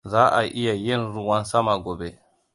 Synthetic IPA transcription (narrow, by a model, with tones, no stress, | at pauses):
zaː˦ʔa̰˨ʔi˦jajɛ˦nɾu˨wa˦nsa˦ma˨ɡɔ˨bɛ